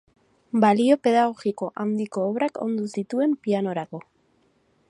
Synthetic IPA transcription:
balio̞pe̞ð̞aɣ̞o̞ɣiko̞ʔawnd̪iko̞ːβɾako̞̰nd̪usit̪ue̞mpiano̞ɾako̞

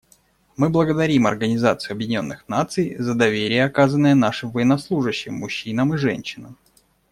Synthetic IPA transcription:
mɨblˠəɡəd̪ɐɾʲimɐ̰rɡənʲɪzat̪sɨjʊɐbjɪdʲɪnʲo̞nːɨxnat̪sɨjzəd̪ɐvʲeɾʲɪjəɐkazənːəjənaʂɨmvəjɪnɐslˠuʐɨɕːɪmːʊɕːinəmɨʐɛ̰nʲɕːɪnəm

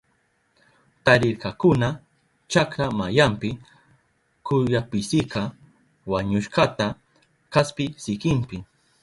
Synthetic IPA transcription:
t̪aɾɪɾkɑkʊna | t͡ʃakɾamajampɪ | kʊjapɪsɪkɑ | waɲʊʃɢɑt̪a | kaspɪsɪkɪmpɪ

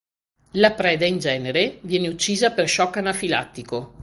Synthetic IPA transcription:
lapɾɛːd̪aind͡ʒɛːneɾevjɛːneut͡ʃːiːzaperʃɔkːanafila̰t̪ːiko

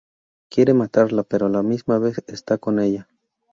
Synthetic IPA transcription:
kje̞ɾe̞mat̪aɾlape̞ɾo̞lamizmaβe̞sest̪ako̞ne̞ʎa

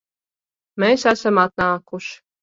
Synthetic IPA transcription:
mesæsamat̪̚naːkuʃ

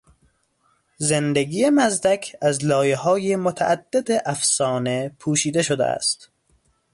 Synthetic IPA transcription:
zend̪eɡiːjemæzd̪ækʰæzlɒːjehɒːjemot̪ʰæ̰ʔæd̪̥ːed̪eʔæfsɒːne̞pʰuːʃiːd̪e̞ʃod̪ḛʔæ̰st̪

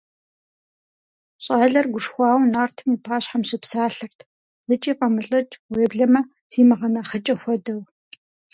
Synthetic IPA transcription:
ɕʼaːɮɐrɡʷʊʂxʷaːwnaːrtʰɨmiːpʰaːɕħamɕɪpsaːɬɨrtʰ | zɨt͡ʃʼiːqʼɐmɨɬʼɐt͡ʃʰʼweːbɮɐmɐ | ziːmɐʁɐnɐχət͡ʃʼɐxʷɔdɐw

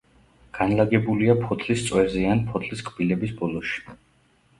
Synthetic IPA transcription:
ɡ̥anlaɡɛbuliapʰɔt̪ʼʰlist̪sʼwɛɾzianpʰɔt̪ʰʼliskʼb̥ilɛbisbɔlˠɔʃi̥

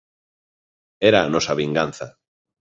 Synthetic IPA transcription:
eɾaːnɔsaβiŋɡan̟θa̰

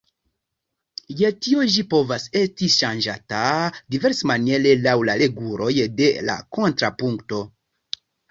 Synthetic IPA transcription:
jetio̞ʒipo̞vase̞stiʃand͡ʒatadive̞ɾsmanie̞le̞lawlale̞ɡuɾo̞jde̞la̰ko̞ntɾapuŋkto̞

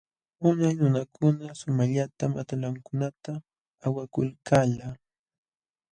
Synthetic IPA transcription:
ʊnajnʊnakʰʊnasʊmaʎat̪ama̰t̪alaŋkʊnat̪aː | wakʊlkʰalaː

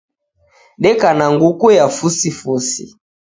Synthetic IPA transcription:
ɗɛkanaŋɡukujafusifusḭ

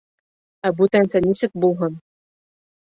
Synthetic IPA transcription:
æbut̪ænsænʲisɘk̚bulˠɦɤn

